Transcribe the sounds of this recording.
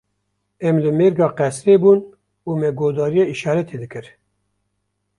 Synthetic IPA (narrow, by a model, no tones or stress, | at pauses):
ɛmlɨmeːɾɡɑːqɛsɾeːbuːn | uːmɛɡoːd̪ɑːɾijeiʃɑːɾɛt̪ʰed̪ɨkɨɾ